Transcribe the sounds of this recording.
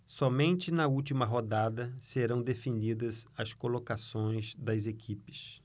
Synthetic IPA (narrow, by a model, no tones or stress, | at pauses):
sɔmẽnt͡ʃɪnɐut͡ʃimɐɦod̪ad̪ɐseɾɐ̃w̃d̪efinid̪ɐsɐskolokasõj̃zd̪ɐzekʰipɪ̥s